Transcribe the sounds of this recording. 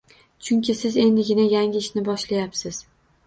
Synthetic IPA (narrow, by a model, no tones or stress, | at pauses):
t͡ʃʰʊŋkʲɪsɪze̞nd̪ɪɡʲɪnajaŋʲɪɪʃnɪbɒʃlajapsɪz̥